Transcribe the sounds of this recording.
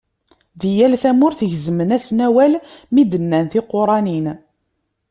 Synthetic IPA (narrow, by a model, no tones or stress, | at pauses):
ðijælθæmʊɾθəʝzəmənæsnæwælmid̪ənːænθɪqːoɾˤɑnin